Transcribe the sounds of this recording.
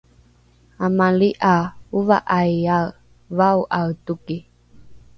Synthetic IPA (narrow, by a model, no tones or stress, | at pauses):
amaliʔauva̰ʔaja | vauʔatuki